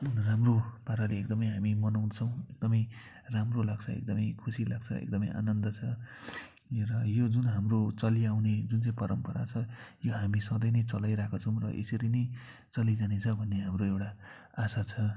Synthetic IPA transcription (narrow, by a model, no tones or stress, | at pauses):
unramropaɾaleek̚d̪ʌmʌjɦamimʌnawnʌt͡sʰʌ̃w̃ek̚d̪ʌmʌj | ramrolaɡt͡sʰʌḛk̚d̪ʌmʌjkʰusila̰ɡ̚t͡sʰʌ̰ḛk̚d̪ʌmʌ̰jʔa̰nʌnd̪ʌt͡sʰʌ | rʌjod͡zunɦamrot͡sʌliawned͡zunt͡saĩpʌɾʌmpʌɾa̰t͡sʰʌjoɦamisʌd̪ʌjnʌjt͡sʌlajɾakʰat͡sʰʌw̃rʌ̰ʔḛsʌɾinʌj | t͡sʌlid͡zanet͡sʰʌbʱʌnːeɦamroewʈa | asat͡sʰʌ